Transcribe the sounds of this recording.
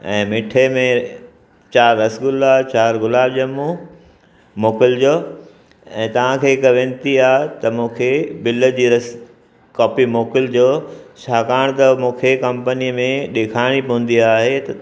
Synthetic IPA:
ɛ̃ːmɪʈʰemẽ | t͡ɕaːɾːɐsɡʊlaːbt͡ɕaːɾɡʊlaːbd͡ʑɐmũ | moːkɪld͡ʑoː | ɛ̃ːt̪ɐʋ̤ãkʰeːkɐʋẽːnt̪iaːɦt̪ɐmũːkʰebɪləd͡ʑiːɾɐs | kɔːpimoːkɪld͡ʑoːt͡ɕʰaːkaːɽ̃t̪ɐmũːkʰekɐ̃mpəniəmẽɗeːkʰaːɪɽ̃ipɐũn̆d̪iaːɦet̪ɐ

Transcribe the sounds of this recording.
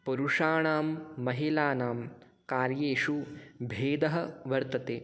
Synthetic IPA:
pɐɾuʂaːɳaːmːɐɦilaːnaːm | kaːɾjeːʂubʱeːd̪ɐɦɐʋɐɾt̪ɐt̪eː

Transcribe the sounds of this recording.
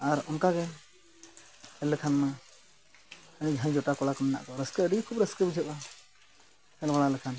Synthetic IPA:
aɾɔnkaɡɛ | hɛlɛkʰanma | ənid͡ʒʱãd͡ʒɔʈakɔlakɔmɛna̰ʔkɔɾəskəəɖikʰubɾəskəbud͡ʒʱɛɓa | hɛlbaɽalɛkʰan

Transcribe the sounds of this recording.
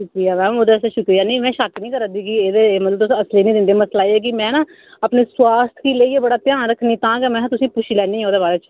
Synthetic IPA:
ʃʊkkɾiːaːmɛ̃ːoːd̪ɛːsaʃʊkɾiːaːnĩːmɛ̃ːʃaknĩːkəɾad̪iːkieːd̪eːmət̪ləbt̪ʊsəsleːnĩːd̪ɪnd̪eːməslaːiːɛːk̬imɛ̃ːnãː | apneːswaːst̪ʰkiːleːiːeːbəɽaːt̪ɪjãːɾəkʰːniːt̪ãːɡɛːmɛ̃ːãt̪ʊsĩːpʊt͡ʃʰiːlɛːniːɦaoːd̪eːbaːɾeːt͡ʃ

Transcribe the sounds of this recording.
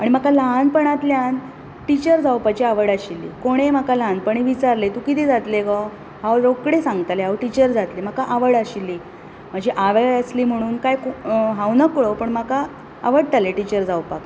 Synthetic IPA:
aɽ̃im̤akalaɦnpəɳ̃at̪ljan | ʈit͡ɕəɾd͡zawpat͡ɕiaʋəɽaɕilːḭːkoɽ̃em̤akalanpəɳ̃iʋit͡ɕaɾlet̪ukit̪id͡zat̪lekɔ | ɦawɾokɽesãŋɡt̪aleɦawʈit͡ɕəɾd͡zat̪lim̤akaʔaʋəɽaɕilːiː | m̤əd͡ʑʱiʔaʋeəsliːm̤əɽ̃uːnkajkɦawnəkɭopəɳm̤aka | aʋəɽt̪aleʈit͡ɕəɾd͡zawpak

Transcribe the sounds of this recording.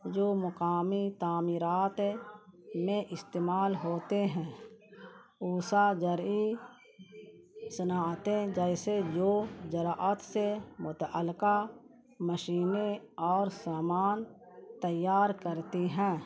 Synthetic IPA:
d͡ʒoːmʊkaːmit̪aːmiːɾaːt̪ | mẽʔɪst̪eːmaːlɦoːt̪eɦɛ̃ː | uːsad͡ʒəɾi | sənaːt̪ẽd͡ʒɛːsed͡ʒoːd͡ʒəɾaʔət̪semʊt̪ʔəlɪka | məʃiːneɔːɾsaːmaːn | t̪əjːaːɾkəɾt̪iɦɛ̃ː

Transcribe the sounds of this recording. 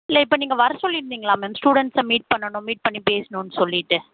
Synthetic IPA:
ɪlːɐɪpːɐːniːŋɡɐʋɐɾɐsɔlːɪɾɯnd̪iːŋɡɐɭãːmeːmsʈuːɽɛɳʈsɐ̃miːʈ̚pɐɳːɐɳʊ̃miːʈ̚pɐɳːipeːsnũːnːɯsɔlːɪʈːɯ

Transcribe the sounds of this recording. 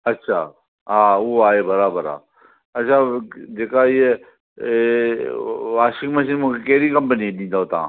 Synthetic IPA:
ɐtːʃʰaː | ɦaːoaːeːbəɾaːbəɾa̰ː | ɐtːʃʰaːd͡ʒeːkaɪe | ʋaːʃɪŋməʃiːnmũːkʰekeɦɾiːkəmpəniɗĩːnd̪aoːt̪ã̰ː

